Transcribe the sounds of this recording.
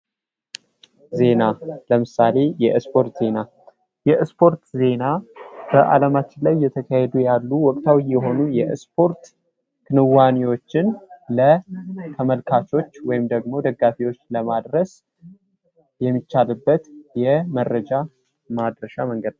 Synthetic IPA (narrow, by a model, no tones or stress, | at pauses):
ze̞naləmɨsale̞jɛɨspʰo̞ɾt̪z̥e̞na | jɛɨspʰo̞ɾt̪ze̞nab̥əʔa̰ləmat͡ʃːɪnlajːɛt̪ʰəkʰahɛd̪ujalːuwɔkʼt̪ʰawijːɛɦo̞nujɛspʰo̞ɾt̪ | kʰɨnɨwaniwo̞t͡ʃːɪnlət̪ʰəməlkʰat͡ʃo̞t͡ʃːwɔjɪmd̪əɡmo̞d̪əɡːafiwo̞t͡ʃːləmad̪ɾəs | jɛmːit͡ʃːalɨbːət̪jɛməɾːəd͡ʒa | mad̪ɾəʃaməŋɡəd̪n